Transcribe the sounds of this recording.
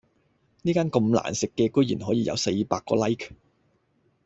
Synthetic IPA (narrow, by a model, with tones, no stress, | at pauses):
niː˥kaː˥nkɐ˧mla̰ː˨˩nsɪ˨kːɛː˧kɵ˥jḭː˨˩nɦɔː˨˥jiː˨˧jʔɐ˨˧wse˧jpaː˧kːɔ̰ː˧lɐ˥jkʰ